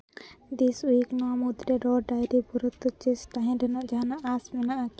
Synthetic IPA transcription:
d̪isuiknamud̪ɾɛɖɔɾɖajɾibuɾut̪ːut͡ʃist̪aɦɛ̃ɖɛnaʔd͡ʒanaʔasmɛnaʔak

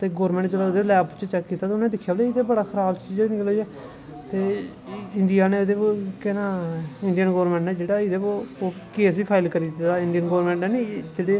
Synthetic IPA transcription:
t̪eːɡoːɾmɛ̃ːɳʈd͡ʒeɽaːʊd̪eːlɛːpt͡ʃət͡ʃɛkːiːt̪at̪eʊnnːd̪ɪkʰːjaːbleːɪd̪eːbəɽaːkʰəɾaːbt͡ʃiːd͡ʒɛnɪklɦoiːɛː | t̪eː | ɪɳdijaːneːʊd̪eːkenãːɪɳɖijənɡoːɾmɛ̃ːɳʈnɛːd͡ʒeːɽaːɪd̪eːokeːsiːpʰaːɪlkəɾiːd̪aːɪɳɖijənɡoːɾmɛ̃ɳʈnɛːnid͡ʒeːɽeː

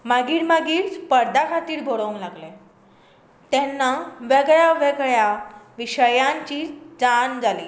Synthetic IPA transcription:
maɡiːɽmaɡiːɾspəɾd̪akʰat̪iːɾbʱoɽomlaɡle | t̪ɛnːaʋeɡɭjaʋeɡɭjaʋiɕəjaɲt͡ɕiːd͡zand͡zʱaliː

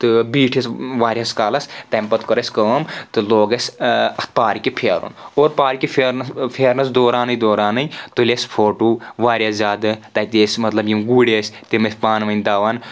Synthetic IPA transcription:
t̪ɨbiːʈʰɐsʋaːɾjaskaːlɐst̪ɐmpɐt̪kɐɾɐsʲkɐmt̪ɨloːɡɐsʲɐt̪̚ʰpaːɾikʲipʰeːɾṵnoːɾpaːɾikipʰeɾnɐspʰeːɾnɐsd̪oːɾaːnɨjd̪oːɾaːnɐjt̪ɨlʲesʲpʰoːʈuːʋaːɾʲjaːszʲaːd̪ɨt̪at̪eːsʲmɐt̪lɐbjimɡuːɽʲesʲt̪imɐsʲpaːnʋɐnʲd̪aːʋaːn

